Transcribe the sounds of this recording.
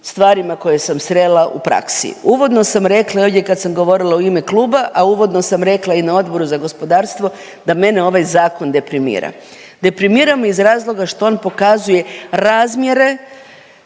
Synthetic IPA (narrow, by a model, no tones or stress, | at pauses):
st̪ʋaːɾimako̞je̞samsɾelˠaʔṵpɾa̰ksḭuʋo̞d̪no̞samɾe̞klˠaoʋdʲekad̪samɡo̞ʋo̞ɾilˠaoime̞klˠuːbaʔauʋo̞d̪no̞samɾe̞klˠainao̞d̪bo̞ɾuzaɡo̞spo̞d̪aːɾst̪ʋo̞ | d̪ame̞neo̞ʋajzaːko̞nd̪e̞pɾimḭːɾa̰ | d̪e̞pɾimiːɾamizɾaːzlˠo̞ɡaʃt̪o̞o̞ːnpo̞kazuje̞ɾaːzmje̞ɾe̞